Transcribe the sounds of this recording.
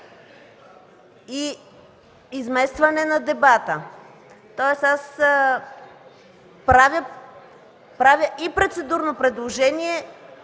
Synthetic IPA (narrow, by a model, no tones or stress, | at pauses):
i | izmɛst̪vɐnɛnɐd̪ɛbat̪ə | t̪ɔɛsas | pɾavʲjə | pɾavʲjəʔipɾot̪sɛd̪uɾnopɾɛd̪lˠoʒɛniɛ